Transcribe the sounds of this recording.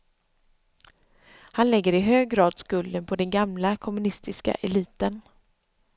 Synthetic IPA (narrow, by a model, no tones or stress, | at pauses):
hanlɛɡːəɾɪɦøːɡɡɾɑːd̪skɵld̪ənpʰɔd̪ɛnɡamlakʰɔmɵnɪst̪ɪska̰ʔɛliːt̪ən